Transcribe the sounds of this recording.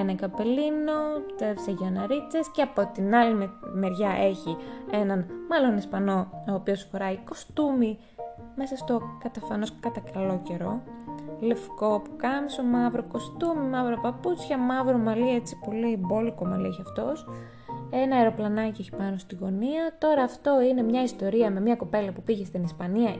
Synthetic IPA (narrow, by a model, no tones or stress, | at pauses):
enɐkɐpe̞lino̞t̪evseʝɐnɐɾit͡se̞sceɐpo̞t̪inɐlimeɾʝɐʔe̞çie̞nɐnmɐlo̞nespɐno̞oːpiosfoɾɐiko̞st̪umi | me̞sɐst̪o̞kɐt̪ɐfɐno̞skɐt̪ɐkɐlo̞ce̞ɾo̞le̞fko̞pu̥kɐmisomɐvɾoko̞st̪umimɐvɾopɐput͡sçɐmɐvɾo̞mɐlie̞t͡si̥po̞liembo̞likomɐlḭeçiɐft̪o̞s | e̞nɐeɾo̞plɐnɐcieçi̥pɐno̞st̪iɣo̞niɐt̪o̞ɾɐːft̪o̞ine̞mɲɐist̪o̞ɾiɐme̞mɲɐko̞pe̞lɐpupiʝest̪inispɐniɐ